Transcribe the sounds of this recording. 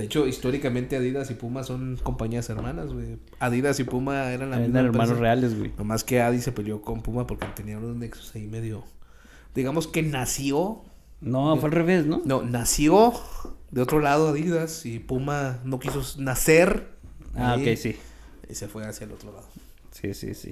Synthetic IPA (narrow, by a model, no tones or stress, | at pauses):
d̪eet͡ʃo̞ist̪o̞ɾikamẽnt̪e̞aðiðasipumaso̞ŋko̞mpaɲiase̞ɾmãnazɣwe | aðiðasipumaeɾanlamizaeɾmmanosrealezwḛnomaske̞aðise̞peljo̞ko̞mpumapo̞ɾket̪e̞niaunozneksu̥saime̞ðjo̞ | d̪iɣamo̞ske̞nasjo̞ | nofwealreβesnono̞nasjoðeo̞t̪ɾo̞lað̞oaðiðasipumano̞kisonaseɾaoikkejsi | ḭse̞fwe̞asjaelo̞t̪ɾola̰ðo | sḭsḭsḭ